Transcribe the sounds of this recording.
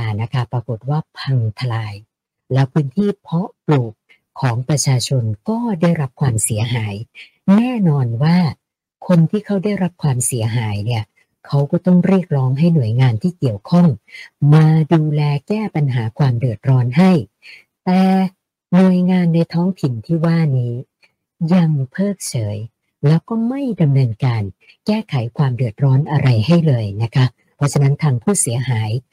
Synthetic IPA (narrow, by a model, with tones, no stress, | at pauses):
a˧˩na˦˥kʰa˦˥˩pɾa˧ko˨˩t̪̚waː˥˩pʰa˧ŋt̪ʰa˧laː˧j | lɛ˦˥wpʰɯː˦˥nt̪ʰiː˥˩pʰɔ˦˥pluː˨˩k̚ʰː | ɔː˩˦ŋpɾa˧t͡ɕʰaː˧t͡ɕʰo˧nkɔː˥˩daː˥˩jɾa˦˥p̚kʰwaː˧msi˩˦ɐɦaː˩˦j | nɛː˥˩nɔː˧nwaː˥˩ | kʰo˧nt̪ʰiː˥˩kʰa˦˥wda˥˩jɾa˦˥p̚kʰwaː˧msi˩˦ɐɦaː˩˦jni˥˩ɐ | kʰa˦˥wkɔː˥˩t̪ɔ˥˩ŋɾi˥˩ək̚ɾɔː˦˥ŋɦa˥˩jnu˨˩əjŋaː˧nt̪ʰiː˥˩ki˨˩əwkʰɔ˥˩ŋmaː˧duː˧lɛː˧kɛː˥˩pa˧nɦaː˩˦kʰwaː˧mdɯ˨˩ət̪̚ɾɔː˦˥nɦa˥˩j | t̪ɛː˨˩ | nu˨˩əjŋaː˧nːa˧jt̪ʰɔː˦˥ŋt̪ʰi˨˩nt̪ʰiː˥˩waː˥˩niː˦˥ | ja˧ŋpʰɤː˥˩k̚t͡ɕʰɤː˩˦j | lɛː˦˥wkɔː˥˩ma˥˩jda˧mnɤː˧nkaː˧n | kɛː˥˩kʰa˨˩˦jkʰwaː˧mdɯ˨˩ət̪̚ɾɔː˦˥nʔa˧ɾa˧jha˥˩jlɤː˧jna˦˥kʰa˦˥ | pʰɾɔ˦˥t͡ɕʰa˧na˦˥nt̪ʰaː˧ŋpʰuː˥˩si˩˦ɐɦaː˩˦j